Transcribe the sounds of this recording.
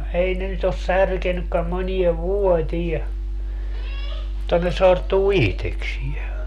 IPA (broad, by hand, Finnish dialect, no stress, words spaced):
ei ne nyt os særkenykːæm monieʋ ʋuotiɛ mutːɑ ne sortuː ihteksie